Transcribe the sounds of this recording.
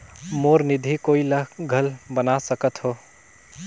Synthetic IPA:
moɾnid̪ʱikoːiləɦɡʱəlbənasəkət̪ɦo

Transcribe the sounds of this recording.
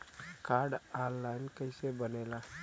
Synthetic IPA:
kaɾɖanːaɪnkəɪsebəneːla

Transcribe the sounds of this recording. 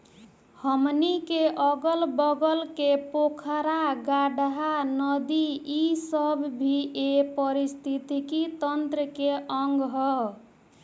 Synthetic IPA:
həmnikeʔəɡəlbəɡəlkepokʰəɾaɡaɖɦanəd̪iisəbːʱiepəɾist̪ʰit̪ikit̪ənt̪ɾəkeʔəŋɡɦɔ

